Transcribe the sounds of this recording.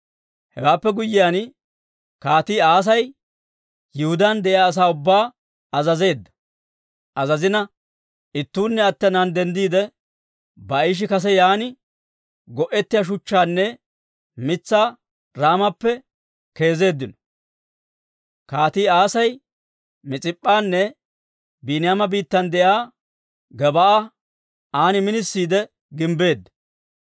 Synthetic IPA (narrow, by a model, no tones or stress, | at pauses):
hɛ̰waːpːɛɡʊjːɪjaːn | kaːt̪iːaːs̬ɐj | jɪhʊd̪and̪ɛʔjaːs̬aːʊbːaː | ɐzɐze̞ːd̪ːɐ | ʔɐzɐzɪnɐ | ʔɪt̪ːuːnːɛɐt̪ːɛnɐnd̪ɛnd̪iːd̪ɛ | bɐɪʃ̬ɪkɐs̬ɛjaːnɪ | ɡɔʔɛt̪ːɪjɐʃ̬ʊt͡ʃːaːnːɛ | mɪt͡sːaː | ɾaːmɐpːɛ | ke̞ːze̞ːd̪ːɪnɔ | kaːt̪iːaːsɐj | mɪt͡sʼɪpʼːaːnːɛ | biːnɪjamɐbiːt̪ːɐnd̪ɛjaː | ɡɛbɐʔa | aːnɪmɪnɪsːiːd̪ɛ | ɡɪmbe̞ːd̪ːɐ̥